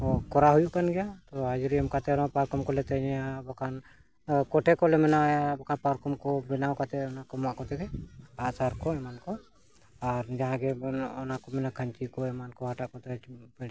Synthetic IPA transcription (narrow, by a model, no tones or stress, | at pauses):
ɔkɔɾaɦujuʔkanɡɛjat̪ɔɦad͡ʒɾiəmkat̪ɛɾpaɾkɔmkɔlɛt̪ɛɲɛabɔkʰan | kɔʈʰɛkɔlɛmɛnajabɔkʰanpaɾkɔmkɔbɛnawkat̪ɛɔnakɔmaʔkɔt̪ɛkɛasaɾkɔɛmankɔ | aɾd͡ʒaɦãɡɛɔnakɔmɛnakʰəɲt͡ʃikɔɛmankɔɦaʈaʔkɔt̪ɛbɛɽ